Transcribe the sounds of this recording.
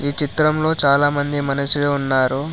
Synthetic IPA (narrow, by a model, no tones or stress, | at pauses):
iːt͡ʃit̪ɾɐmlo̞ːt͡ʃaːlaːmɐnd̪imɐnɐsiloːunːaːɾu